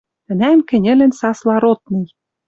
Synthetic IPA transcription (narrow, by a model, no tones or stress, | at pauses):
t̪ɘ̆næmkɘ̆nʲɘ̆lɘ̆nsɑslɑɾot̪̚nɤ̆j